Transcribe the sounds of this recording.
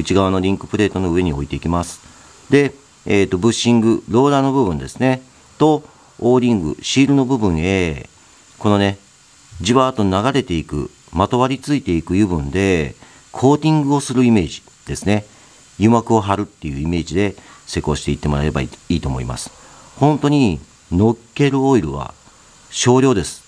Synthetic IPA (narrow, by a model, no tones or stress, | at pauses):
ɯ̟t͡ɕiɡaβano̞ɾʲĩŋkɯ̟̥pɯ̟ɾe̞ːt̪o̞noɯ̟e̞ɲ̟io̞it̪e̞ikʲimasɨ̥ | d̪e̞ː | t̪ːo̞bɯ̟ɕːĩŋɡɯ̟ɾo̞ːɾano̞bɯ̟bɯ̟̃nd̪e̞sɨne̞ | t̪o̞ | oːɾʲĩŋɡɯ̟̰ɕiːɾɯ̟no̞bɯ̟bɯ̟̃ɰ̃e̞ː | ko̞no̞ne̞ | d͡ʑiβaːt̪o̞naɡaɾe̞t̪e̞ikɯ̟̰ | mat̪o̞βaɾʲit͡sɨit̪e̞ikɯ̟jɯbɯ̟̃nd̪e̞ | kʰo̞ːt̪ʲĩŋɡɯ̟o̞sɨɾɯ̟ime̞ːʑi̥ | d̪̥e̞sɨne̞ | jɯ̟makɯ̟o̞ɦaɾɯ̟t̪ːe̞jɯ̟ime̞ːʑid̪e̞se̞ko̞ːɕi̥t̪e̞it̪ːe̞mo̞ɾaɾe̞ba̰iːt̪oːmo̞̰ḭma̰sɨ̥ | hõ̞nt̪o̞ɲ̟i | no̞kːe̞ɾɯ̟oiɾɯ̟̰β̞a̰ | ɕo̞ːɾʲo̞ːd̪e̞sɨ̥